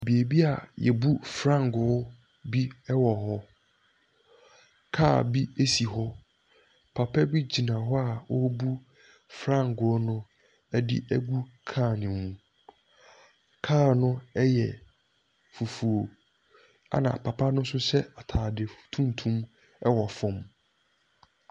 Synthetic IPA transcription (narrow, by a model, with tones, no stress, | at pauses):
bi˨e˨bi˦a˨jɛ̰˨bu˦fɾã˦˨ŋ˨ɡʊ˨˦ | bi˦ɛ˦wɔ˨ɦɔ˦ | kʰaː˦˨bi˦e˦si˨ɦɔ˦ | pʰa˨pʰɛ˦bi˦d͡ʑi˨nã˨ɦɔ˦a˨wɔ˦bu˦ | fɾã˦˨ŋɡʊ˨˦nʊ̃˦ | ɛ˦dɪ̰˦ʔæ˦ɡu˦kʰa˦˨nɪ̃˨mũ˨˦ | kʰaː˦˨nʊ̃˦ɛ˦jɛ̰˨ | fu˨fu˨o˨ | a̰˦nã̰˨pʰa˨pʰa˦nʊ̃˦n˦sʊ˦sɛ˦a˨tʰaː˨dɪ˨ftʰũ˦n˨tʰũ˦m | ɛ˦wɔ˨fɔ̃˨m